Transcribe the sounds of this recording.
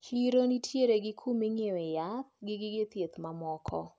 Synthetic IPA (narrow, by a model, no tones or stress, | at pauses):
hiɾonitʰjeɾeɡɪkʰumiŋewɛjat̪ɡɪɡɪɡet̪jet̪mamɔkʰɔ